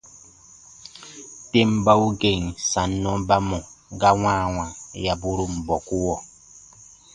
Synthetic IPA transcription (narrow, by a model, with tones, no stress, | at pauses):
te˦mba˦u˦ɡe˨ŋ˨sa˨nːɔ̃˦ba˦mɔ˨ɡa˦wãː˦˨wã˨ja˨bu˦ɾu˦m̩˨bɔ˨ku˦wɔ˨